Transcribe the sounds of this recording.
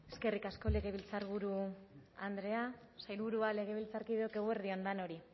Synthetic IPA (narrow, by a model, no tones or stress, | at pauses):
e̞ske̞rikasko̞le̞ɣe̞βilt͡saɾβuɾua̰nd̪ɾe̞a | sajlβuɾuale̞ɣ̞e̞β̞ilt͡saɾkiðeo̞ke̞ɣueɾðio̞nd̪ano̞ɾi